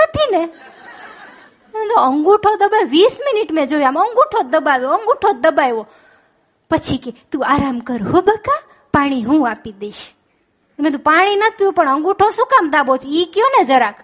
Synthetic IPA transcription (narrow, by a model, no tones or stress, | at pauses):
nət̪ʰine | mẽt̪oəŋɡuʈʰod̪əbaʋisminiʈmẽd͡ʒojaməŋɡuʈʰod̪əbaʋjoəŋɡuʈʰod̪əbajʋo | pət͡ʃʰiket̪uaɾamkəɾɦobəka | paɽ̃iɦũapid̪eiʃ | emẽt̪ũpaɽ̃inət̪̚ʰpiupəɳəŋɡuʈʰosukamd̪abot͡ʃʰikjoned͡ʒəɾak